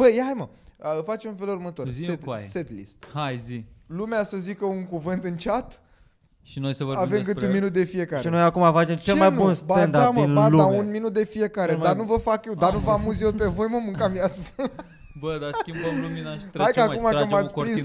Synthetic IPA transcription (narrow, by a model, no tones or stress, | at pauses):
b̥əjajmə | fat͡ʃemũnfe̞lurmət̪aiet̪set̪lḭst̪hajzilumeasəzikəuŋkuvɨnt̪ɨnt͡ʃat̪ | ʃinojsevəavemkɨt̪unminut̪̚d̪e̞fie̞kaɾeinojakumafat͡ʃemt͡ʃelemajnb̪unsbaɛnd̪aɾminbaluaunminut̪̚d̪e̞fie̞kaɾed̪aanuvəfakjewd̪anuvamuzjelpe̞vo̞jməmɨŋkamiat̪sf | bəd̪askʲimbəmluminaʃt̪ɾajaumaumat̪spɾis